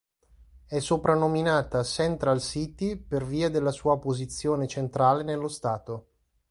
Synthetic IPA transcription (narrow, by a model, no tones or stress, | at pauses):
ɛsːopɾanːominaːt̪asɛnt̪ɾalsit̪iperviːad̪elːasuːapozit̪sːjoːnet͡ʃent̪ɾaːlenelːost̪aːt̪o